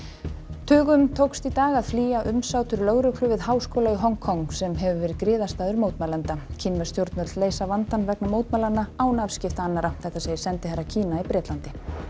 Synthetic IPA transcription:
t̪ʰʏːɣʏmt̪ʰowkst̪it̪aːɣaðfliːjaʔʏmsaːwt̪ʏɾlœɣɾʏkʰlʏvɪðhawskowlaiɦɔŋkʰɔŋsɛmɦɛvʏvɛːɾɪðkɾɪːðast̪aːðʏɾmoːwt̪maːlant̪acʰɪnvœst̪jowɾt̪nmœt̪lleːjsavant̪anvɛknamoːwt̪maːlanːaawnavscɪft̪aanːaɾaθɛht̪aseːjɪsɛnt̪ɪharːacʰiːnaipɾɛːt̪lant̪ɪ

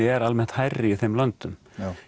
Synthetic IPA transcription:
ɪɛɾalmɛht̪hajrːɪiθejmlant̪ʏm

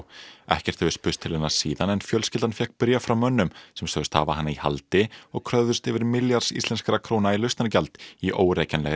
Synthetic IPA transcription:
ɛ̰hcɛr̥t̪hɛvʏspʏst̪ʰːɪlɛnːḁsiːðanɛnfjœlscɪlt̪anfjɛhkpɪɾjafɾawmœnːʏmsɛmsœðʏst̪ha̰ːva̰hanːaiha̰lt̪ɪɔɣkʰɾœððʏst̪ɛvɪɾmɪljaɾ̥sḭst̪ɛnskaɾakʰɾownailœst̪ancalt̪iʔo̰ːwɾeːjcanlɛɣ

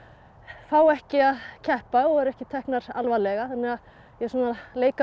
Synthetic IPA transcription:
faːwɛhcɪaðcʰɛhpaɔɣɛɾɛhcɪt̪ʰɛhknaɾalvalɛɣaθanːɪɣað | jɛsuːnaleːjka

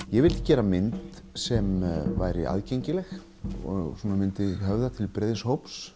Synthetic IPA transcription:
jɛɣvɪlt̪ɪ̥cɛːɾamɪnt̪ | sɛmva̰jɾɪ̰ʔa̰ðcejɲcɪlɛx | ɔsuːnamɪnt̪ɪɦœvðat̪ʰɪlpɾɛðɪshowps

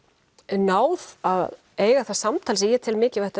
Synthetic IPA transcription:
naːwðað | eːjɣaθḁsamt̪ʰaːlsijɛt̪ʰɪlmɪːcɪvɛht̪a

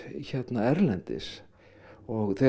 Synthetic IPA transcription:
çɛt̪naɛɾlɛnt̪ɪ̰s | ɔɣθɛ

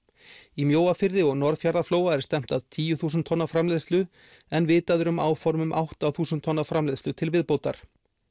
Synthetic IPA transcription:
imjoːwafɪɾðɪɔɣnɔɾðfjaɾðafloːwaɛɾ̥st̪ɛm̥t̪aðt̪ʰiːjʏθuːs̬nt̪ʰɔnːafɾamleːðst̪lʏ | ɛnvɪːt̪aðʏɾʏmaːwfɔɾmʏmʔawht̪awθuːsʏnt̪ʰːɔnːafɾamleðst̪ʏt̪ʰɪlvɪðpowt̪aɾ̥

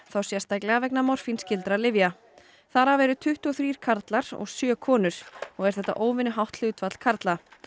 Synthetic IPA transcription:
θawsjɛst̪ajklɛɣavɛknamɔr̥finscɪlt̪ɾalɪvja | θaɾavɛːɾʏt̪ʰʏht̪uɔθɾiːɾ̥kʰaɾt̪laɾ̥ɔ̰ɣsjœːkʰɔːnʏɾ̥ɔɣɛɾ̥θɛht̪ːa̰ʔoːwvɪnʏɦawht̪l̥ʏt̪vat̪l̥kʰaɾt̪la

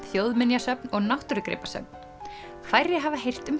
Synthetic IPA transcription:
θjowðmɪnjasœpnɔɣnawht̪ʏɾʏkɾɪ̰ːpasœ̰p̚n | faːjɾɪɦavaɦejr̥t̪ʏm

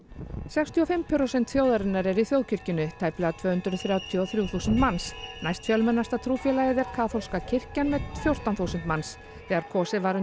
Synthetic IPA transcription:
sɛkst̪ʰiɔfɪmpʰʏɾosɛnt̪fjoːwðaɾɪnːaɾɛɾiθjowðcʰʏr̥cɪnʏt̪ʰaːjplɛɣat̪ʰvœːhʏnt̪ɾʏθɾjawt̪ʰiɔθɾjuːwθuːsʏnt̪mansnajst̪fjœlmɛnːast̪at̪ʰɾuːfjɛlajɪðɛɾ̥kʰaːθol̥skacʰɪr̥canmɛt̪fjowr̥t̪anθusɛnt̪mans | θɛːɣaɾkʰɔːsɪvaɾʏ

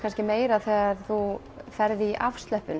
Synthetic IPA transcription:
anscɪmeːjɾaðθɛːɣaɾθu | fɛɾðɪːʔafst̪lœhpʏn

